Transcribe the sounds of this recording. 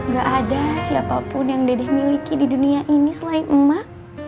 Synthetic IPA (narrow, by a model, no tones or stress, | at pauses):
ŋɡaʔːdasiapapʊnjaŋdedɛhmilikididuniaʔinisəlaɪn̩mah